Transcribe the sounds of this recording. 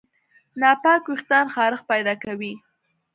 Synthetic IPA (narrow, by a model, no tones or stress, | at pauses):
nɑpɑkwɪxt̪ɑnxɑɾəxpajd̪ɑkawi